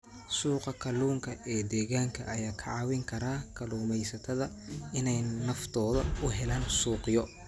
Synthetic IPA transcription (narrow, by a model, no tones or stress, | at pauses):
suːqɐkʰɐluːŋkʰɐʔɛːd̪ɛːɣaːŋkʰɐʔɐjaːkʰɐʕɑːwɪŋkʰɐɾaːkʰɐluːmɛjsɐt̪ʰɐðɐ | ɪnɛjnɐft̪ʰɔːðɐʊɦɛlaːnsuːqɪjɔ